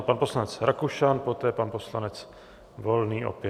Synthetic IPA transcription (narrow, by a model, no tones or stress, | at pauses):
panposlanɛt͡sɾakuʃanpot̪ɛːpanposlanɛt͡s | volniːʔo̰pjɛ